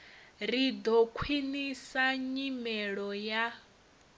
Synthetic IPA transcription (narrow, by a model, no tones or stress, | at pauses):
ɾid̪ɔkʰwinisaɲimɛɺɔja